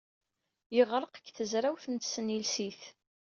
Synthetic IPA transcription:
jəʁɾˤəqəkːθəzɾæwθənt̪sənilsiθ

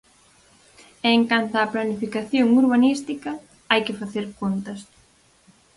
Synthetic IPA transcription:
eŋkant̪aːplanifikaθjoŋuɾβanist̪ikɐ | ajkɪfaθeɾkont̪ɐs

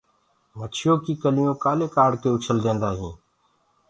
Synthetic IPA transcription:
mət͡ʃʰɪjoːkiːkəlɪjõːkaːleːkaːɖkeːʊt͡ʃʰəld̪ẽːnd̪aːɦĩː

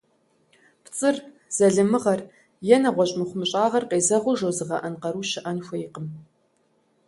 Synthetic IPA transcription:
pt͡sʼɨr | z̥ɐɮɨmɨʁɐr | jɛnɐʁʷɔɕʼmɨχʷʊmɨɕʼaːʁɐrqeːzɐʁʷʊʒowzɨʁɐ̰ʔɐnqɐɾuːʃɪʔɐnxʷɐjɪqəm

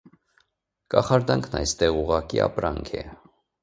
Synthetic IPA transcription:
kɑχɑɾd̪ɑŋkʰnɑjst̪ɛʁuʁɑkiɑpɾɑŋkʰɛ̰

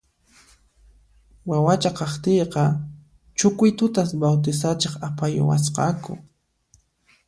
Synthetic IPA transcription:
wawat͡ʃaqɑχt̪ejqɑ | t͡ʃʊkʊjt̪ʊt̪asbawt̪ɪsat͡ʃeχapajʊ̰wa̰s̬qɑ̰kʊ̰

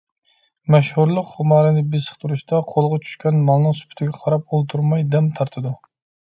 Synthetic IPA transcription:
mɛʃhuɾlˠɨqhʊmɑɾɨnɪbɪsɨ̥χt̪ʰuɾuʃt̪ɑqʰolˠʁɑt͡ʃʰy̥ʃkʲɛnmɑlˠnɨŋsu̥pʰʊ̥t̪ʰɪɡʲɛqʰɑɾɑp̚olˠt̪ʰuɾmɑjd̪ɛmt̪ʰɑɾt̪ʰɨd̪ʊ

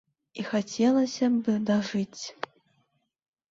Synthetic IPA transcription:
ixat͡sʲɛlˠɐsʲɐbɨd̪aʐɨt͡sʲ

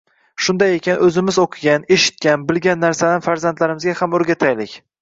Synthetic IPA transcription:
ʃʊnd̪ajekʲʰanʔɵzɪmɪzoqʰɨɡʲane̞ʃɪ̥t̪̚kʲanbɪlɡʲanːaɾsad̪anfaɾzant̪laɾɪmɪzɡʲahamɵɾɡʲat̪ʰajlɪkʲ

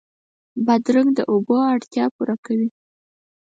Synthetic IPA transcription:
bad̪ɾʊɡd̪əʔoboaɽt̪jɑpuɾakawi

